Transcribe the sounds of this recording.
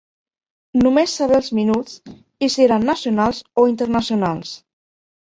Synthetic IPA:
numesːaβeəlˠzminut͡s | iseɾanːəsiunalˠzoint̪əɾnəsiunalˠs

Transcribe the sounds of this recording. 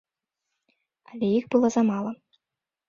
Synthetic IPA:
ɐlʲɛjiɣbɨlˠɔzɐmalˠɐ

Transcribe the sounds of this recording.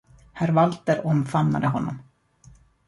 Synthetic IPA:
hæɾvalt̪əɾɔmfamna̰d̪əɦɔnːɔm

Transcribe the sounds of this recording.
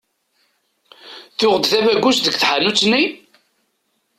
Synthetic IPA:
θʊʁəd̪θævæɡʷːuʃðəɡθħanut͡sːni

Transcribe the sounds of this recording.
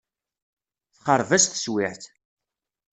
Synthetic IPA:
θχəɾˤvæst̪ə̥swiħt̪

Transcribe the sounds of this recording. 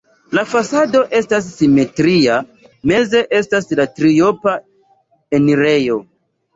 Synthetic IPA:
lafasado̞ʔe̞stas̬ːime̞tɾia | me̞ze̞ʔe̞staslatɾio̞pa | e̞niɾe̞jo̞

